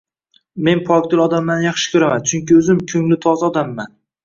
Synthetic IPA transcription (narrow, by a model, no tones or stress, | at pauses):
me̞npʰɒk̚ʲt̪ɪlˠɒd̪amːanjɑχʃɪ̥kʲʰɵɾamant͡ʃʰʊŋkʲɪɵzɪmkʲʰɵŋlɪt̪ʰɒzɒd̪amːan